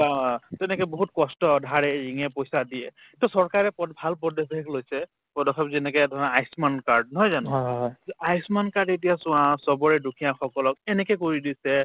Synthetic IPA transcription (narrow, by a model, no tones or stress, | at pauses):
atɛnɛkɛboɦut̚kɔstɔdʱaɹɛɹiŋɛpojsadiɛ | tusɔɹkaɹɛpɔdbʱalp̬ɔdɔsɛklojsɛ | pɔdɔkʰabzɛnɛkɛdʱɔɔajsmankaɹd̚nɔɦɔjzanɔ | ajsmankaɹdet̬ijasʊãsɔbɔɹɛdukʰijãxɔkɔlɔkɛnɛkɛkoɹidisɛ